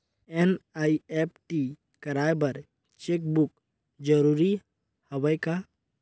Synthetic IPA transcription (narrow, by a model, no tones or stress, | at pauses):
enaːiep̚ʈi | kəɾaːbəɾ | t͡ʃek̚buk | d͡ʒəɾuɾi | həwəjka